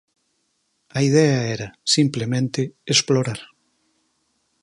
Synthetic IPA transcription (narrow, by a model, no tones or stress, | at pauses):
ɐið̞ɛɐɛɾɐsimplemẽnt̪ɪesploɾaɾ